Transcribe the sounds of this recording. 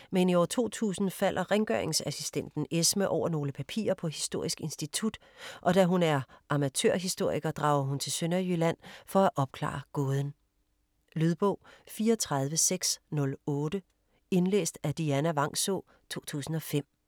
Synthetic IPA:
meniɒ̰ɐt͡sʰo̝̰ːt͡sʰṵːsn̩fælʔɐʁɛŋɡ̥œɐe̝ŋsæsisd̥en̰d̥n̩esməʔɒʊ̰ɐno̝ːləpʰæpʰḭːɐpʰɒ̽ɦisd̥o̝ɐ̰isɡ̥e̝nsd̥it͡sʰud̥ | ʔɒ̽d̥æɦunæɐʔɑ̈mæt͡sʰø̰ɐɦisd̥o̝ɐ̰iɡ̥ɐd̥ʁɑ̈ʊɐɦunt͡sʰe̝lsønɐjylæn̰fɒ̽æʔɒ̽b̥̚kʰlɑ̰̈ːɡ̥ɔːð̞ˠn̩ | lyð̞ˠb̥ɔ̽ʊ̰fiːɐɒt͡sʰʁɑð̞ˠʋəseɡ̥snɔ̽lɔːd̥ə | e̝nlḛːsd̥æd̥iænæʋɑ̈ŋ̰sɔ̰ | t͡sʰo̝̰ːt͡sʰṵːsn̩ɒ̽fem̰

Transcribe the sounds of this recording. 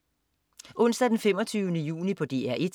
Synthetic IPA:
ʔɔ̽n̰sd̥æd̥enfem̰ɒt͡sʰyːʊənəjṵːnipʰɒ̽d̥e̝̰ːæɐ̰ʔe̝d̥

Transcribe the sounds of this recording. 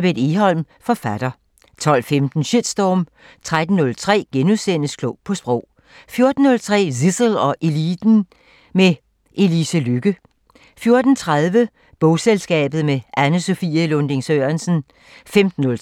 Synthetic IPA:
b̥ed̥iɦɒ̽l̰m | fɒ̽fæd̥ɐ | t͡sʰɒ̽l̰femd̥n̩ɕed̥sd̥ɒːm | t͡sʰʁad̥n̩nːɔ̽lt͡sʰʁɛ̰ːɡ̥enuðˠsen̰əskʰlɔʊpʰɒ̽sb̥ʁɔʊ̰ | fjo̝ɐd̥n̩ːɔ̽lt͡sʰʁɛ̰ːsisl̩ɒ̽ʔe̝lid̥n̩ | me | ʔe̝lisəlyɡ̥ə | fjo̝ɐd̥n̩t͡sʰʁað̞ˠʋə | b̥ɔʊselsɡ̥ɛ̰ːb̥ð̩ˠmeʔænəso̝fiɐlond̥e̝ŋsøːɐnsn̩ | femd̥n̩ːɔ̽l

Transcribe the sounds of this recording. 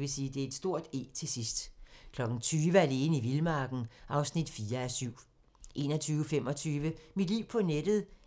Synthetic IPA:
ʋe̝siːd̥e̝æɐe̝d̥sd̥o̝ɐ̰d̥e̝̰ːt͡sʰe̝sisd̥kʰlɒ̽ɡ̥n̩t͡sʰyːʋəæle̝ːniʋilmɑ̈ːɡ̥n̩ʔɑ̈ʊsnid̥fiːɐæsyʊ̰ | ʔe̝̰ːnɒ̽t͡sʰyːʊəfem̰ɒ̽t͡sʰyːʋəmid̥liʊ̰pʰɒ̽ned̥ð̩ˠ

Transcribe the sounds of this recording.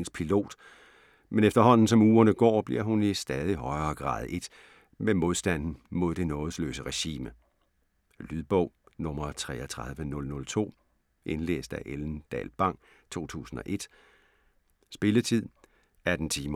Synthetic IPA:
ŋspʰilo̝̰ːd̥ | menefd̥ɐɦɒ̽n̰n̩sɒ̽muːɐnəɡ̥ɒ̰ːb̥liɐɦunisd̥ɛːð̞ˠihɒ̽ɪɐːɡ̥ʁɑ̰̈ːð̞̩ˠe̝d̥ | memo̝ð̞ˠsd̥æn̰n̩mo̝ð̞̰ˠd̥e̝nɔ̽ːð̩ˠslø̰ːsəʁɛɕḭːmə | lyðˠb̥ɔ̽ʊ̰nɔ̽mɐt͡sʰʁɛ̰ːɒt͡sʰʁɑð̞ˠʋənɔ̽lnɔ̽lt͡sʰo̝̰ː | ʔe̝nlḛːsd̥æʔeln̩d̥ɛ̰ːlb̥ɑ̈ŋ̰ | t͡sʰo̝̰ːt͡sʰṵːsn̩ɒ̽ʔe̝d̥ | sb̥e̝lət͡sʰið̞̰ˠ | æɐd̥n̩t͡sʰiːm

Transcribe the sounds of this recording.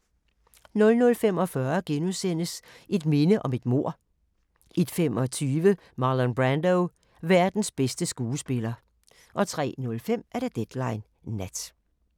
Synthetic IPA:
nɔ̽lnɔ̽lfem̰ɒ̽fɶɐɡ̥enusen̰əs | e̝d̥me̝nəʔɒ̽me̝d̥mo̝ɐ̰ | ʔed̥fem̰ɒ̽t͡sʰyːʋə | mɑ̈ːlɔnb̥ʁænd̥oʊ | ʋæɐd̥n̩sb̥esd̥əsɡ̥uːsb̥e̝lɐ | ʔɒ̽t͡sʰʁɛ̰ːnɔ̽lfem̰ʔæɐɾ̥ed̥ed̥lɑ̈ɪnː | æd̥

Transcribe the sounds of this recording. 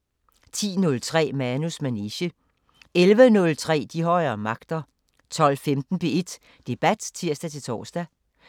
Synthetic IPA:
t͡sʰḭːnɔ̽lt͡sʰʁɛ̰ːmænusmæniɕə | elʋənɔ̽lt͡sʰʁɛ̰ːd̥iɦɒ̽ɪɐːmɑ̈ɡ̥d̥ɐ | t͡sʰɒ̽l̰femd̥n̩b̥e̝e̝d̥ | d̥e̝b̥æd̥t͡sʰiɐ̰sd̥æt͡sʰe̝lt͡sʰɒ̰ːsd̥æ

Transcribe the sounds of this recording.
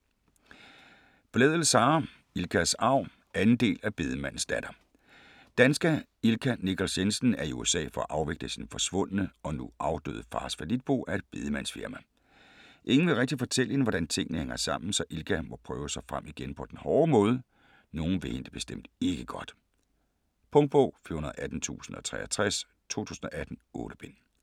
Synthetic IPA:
b̥lɛːðˠəlsɑ̈ː | ilkʰæsɑ̈ʊ̰ | ʔænn̩d̥e̝̰ːlæb̥e̝ð̞ˠəmæn̰n̩sd̥æd̥ɐ | d̥ænsɡ̥æ | ilkʰænikʰɒlsensn̩æɐiṵesɛ̰ːfɒ̽æʔɑ̈ʊʋeɡ̥̚d̥əsinfɒ̽sʋɔ̽n̰ənəɒ̽nuʔɑ̈ʊd̥ø̰ːðˠəfɑ̈ːsfælid̥̚b̥o̝̰ːʔæɐe̝d̥̚b̥e̝ð̞ˠəmæn̰sfiɐmæ | ʔe̝ŋn̩ʋe̝ʁɛɡ̥̚d̥ifɒ̽t͡sʰel̰əhenʋɒɾ̥ænt͡sʰe̝ŋ̰ənəheŋ̰ɐsɑ̈m̰n̩sɒ̽ʔilkʰæmɒ̽pʰʁœːʊsɑ̈ɪfʁam̰iɡ̥enpʰɒ̽d̥enhɒːmɔ̽ːð̞ˠə | no̝ːn̩ʋehend̥əb̥e̝sd̥em̰d̥e̝ɡ̥əɡ̥ɒ̽d̥ | pʰɔ̽ŋd̚b̥ɔ̰ʊ̰fyɐhunɐð̩ˠʔæd̥n̩t͡sʰṵːsn̩ɒ̽t͡sʰʁɛːɐt͡sʰʁas | t͡sʰo̝̰ːt͡sʰṵːsn̩ɒ̽ʔæd̥n̩ɔ̰̽ːɾ̥əb̥en̰

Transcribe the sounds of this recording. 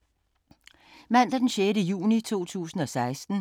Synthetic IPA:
mæn̰d̥ɐd̥enɕeːɾəjṵːnit͡sʰo̝̰ːt͡sʰṵːsn̩ɒ̽sɑ̈ɪsd̥n̩

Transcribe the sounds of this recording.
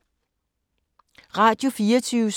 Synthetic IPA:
ʁɑ̈ːd̥jo̝fiːɐt͡sʰyːʊs

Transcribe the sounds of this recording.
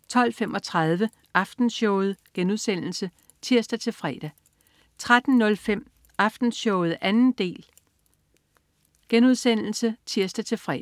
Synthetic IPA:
t͡sʰɒ̽l̰femʔɒ̽t͡sʰʁɑð̞ˠʋə | ʔɑfd̥n̩ɕɔʊð̩ˠɡ̥enuðˠsen̰l̩sə | t͡sʰiɐsd̥æt͡sʰe̝lfʁɛ̰ːd̥æ | t͡sʰʁad̥n̩ːɔ̽lfem̰ | ɑ̈fd̥n̩sɕɔʊð̞̩ˠʔænn̩d̥e̝̰ːl | ɡ̥enuð̞̰ˠsen̰l̩sət͡sʰiɐ̰sd̥æt͡sʰe̝lfʁɛ

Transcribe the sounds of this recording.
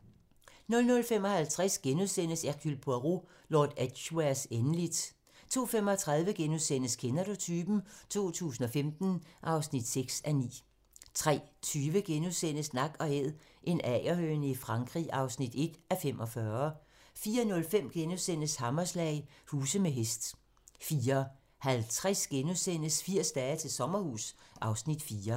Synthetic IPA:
nɔ̽lnɔ̽lfemɒ̽hælt͡sʰʁɛsɡ̥enuðˠsen̰əsæɡ̥ʰylpʰoæʁo | lɒːd̥æd̥ɕuæɐsenəlid̥ | t͡sʰo̝̰ːfem̰ɒ̽t͡sʰʁɑ̈ð̞ˠʋəɡ̥enuðˠsen̰əskʰenædo̝t͡sʰyːb̥n̩t͡sʰo̝̰ːt͡sʰṵːs̬n̩ɒ̽femd̥n̩ʔɑ̈ʊsnid̥seɡ̥sænḭː | t͡sʰʁɛ̰ːt͡sʰyːʋəɡ̥enuðˠsen̰əsnɑ̈ɡ̥ɒ̽eð̰ˠ | ʔe̝nɛɪɐhøːnəifʁɑ̈ŋɡ̥ʁḭʔɑ̈ʊsnid̥e̝d̥æfem̰ʔɒ̽fɶɐ | fiːɐnɔ̽lfem̰ɡ̥enusen̰əshɑ̈mɐslɛ̰ɪhuːsəmeɦesd̥ | fiːɐ | hælt͡sʰʁɛsɡ̥enusen̰əsfiɐ̰sd̥ɛːt͡sʰe̝lsɒ̽mɐhṵːsʔɑ̈ʊsnid̥fiːɐ

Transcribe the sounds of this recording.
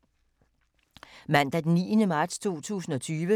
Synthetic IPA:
mæn̰d̥æd̥enːḭːənəmɑ̈ːd̥st͡sʰo̝̰ːt͡sʰṵːsn̩ɒ̽t͡sʰyːʋə

